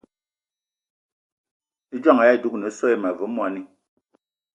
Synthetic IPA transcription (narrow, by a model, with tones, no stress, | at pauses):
d͡ʒa˦˨ŋa˨ja˦˨du˦k̚nɛ˨˦sɔ˦e˦ma˨vu˨˦mwa˦˨ni˦